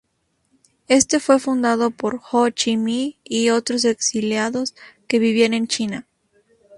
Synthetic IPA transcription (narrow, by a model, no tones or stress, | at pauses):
e̞st̪e̞fwe̞fund̪aðo̞po̞ɾxot͡ʃimiːo̞t̪ɾos̬e̞ksiljaðo̞ske̞βiβiane̞nt͡ʃina